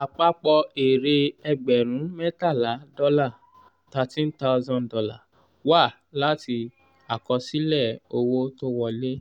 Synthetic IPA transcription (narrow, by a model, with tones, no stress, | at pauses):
a˨k͡pa˦k͡pɔ˧e˨ɾe˧ɛ˧ɡ͡bɛ˨ɾ̃ũ˨˦mɛ˦ta˦˨la˨˦dɔ˦la˦˨ | ta˧tĩ˦n̩˦ta˦˧zɔ̃˦˨dɔ˧la̰˦˨ | wa˦˨ | la˦ti˧ | a˨kɔ˧si˦lɛ˦˨o˧wo˦to˦wɔ˧le˦